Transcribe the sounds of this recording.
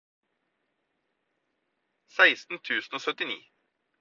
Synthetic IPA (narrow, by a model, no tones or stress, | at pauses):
sæɪst̪n̩t̪ʰʉːsn̩oːsœt̪ɪnḭː